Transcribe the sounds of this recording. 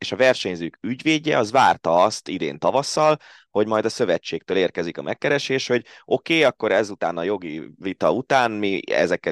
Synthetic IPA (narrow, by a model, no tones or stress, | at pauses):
eːʃɒvɛrʃɛɲzøːkyɟveːɟɛɒzʋaːrt̪ɒɒst̪id̪ḛːnt̪ɒvɒsːɒl | ho̞ɟmɒjd̪ɒsø̞vɛt͡ʃːeːk̚t̪øːleːrkɛzikɒmʔɛkːɛɾɛʃeːʃho̞ɟo̞keːɒkːo̞ɾɛzut̪aːnɒjo̞ɡivit̪ɒut̪aːnmiɛ̰zɛkːɛ